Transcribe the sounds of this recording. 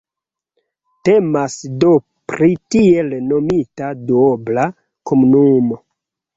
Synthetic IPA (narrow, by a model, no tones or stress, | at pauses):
te̞masdo | pɾitie̞lno̞mitaduobla | komunumo̞